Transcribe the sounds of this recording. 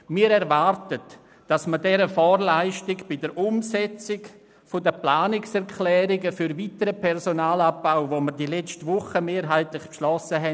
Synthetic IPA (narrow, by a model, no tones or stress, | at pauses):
miːɾɛɾvaɾtət | d̥asmədɛɾəfɔːɾlaɪʃtɪɡb̥ɪdəɾʔʊmsɛt͡sɪɡ | fodəplaːnɪksɛɾkʰlɛːɾɪɡəfyɾvitəɾəpʰɛɾsonaːlap̚b̥aʊvoməɾdilɛt͡stvʊχəmeːɾɦaɪtlɪχpʃlɔsəɦɛ